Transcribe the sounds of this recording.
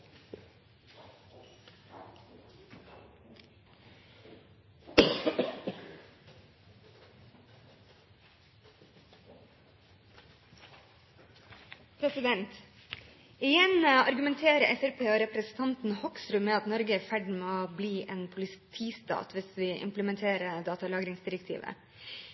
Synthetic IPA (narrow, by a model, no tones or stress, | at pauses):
pʰɾɛsɪd̪ɛnt̪ | ɪjɛnɑɾɡʉmɛnt̪ʰeːɾəʔɛfæɾpʰeːoːɾɛpɾɛsn̩t̪ʰɑnt̪n̩hɔksɾʉmeːɑt̪nɔɾɡəæːfæɖmeːoːbliːʔeːnpʰʊlɪt̪ʰiːst̪ɑ̰ːt̪ʰʋɪsʋiːʔɪ̰mpləmɛnt̪ʰeːɾəd̪ɑːt̪ɑlɑːɡɾɪŋsd̪ɪɾɛkt̪ʰḭːʋə̰